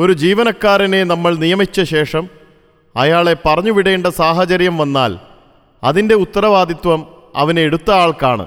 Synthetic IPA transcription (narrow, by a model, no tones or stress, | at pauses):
o̞ɾud͡ʑiːʋɐnɐkːaːɾine̞nɐmːɐɭnijɐmit͡ɕːɐɕe̞ːʂɐm | ɐ̰jaːɭe̞pɐrɐɲːuʋiɽɐjːɳɖɐsaːɦɐt͡ɕɐɾjɐmʋɐnːaːl | ɐðinde̞ut̪ːɐɾɐʋaːd̪it̪ʋɐmɐ̰ʋɐneeɽut̪ːɐaːɭkaːɳɨ̰